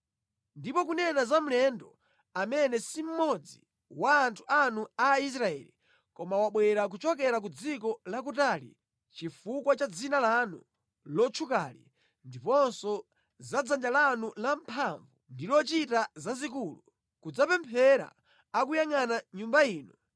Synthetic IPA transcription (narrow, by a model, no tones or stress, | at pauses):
ndipɔkunɛnazam̩lɛndɔ | amɛnɛsim̩mɔd͡zḭ | waːntʰu̥anuais̬ɾaɛ̰li | kɔmawaɓwɛɾak̬ut͡ʃɔkɛɾak̬ud͡zikɔlak̬utalḭ | t͡ʃifukwat͡ʃad͡zinalanṵ | lɔt͡ʃʰukalḭ | ndipɔnsɔ | zad͡zand͡ʒalanulam̩pʰaɱvundilɔt͡ʃitazazik̬ulu | kud͡zapɛmpʰɛɾa̰ː | kujaŋanaɲumbaiːnɔ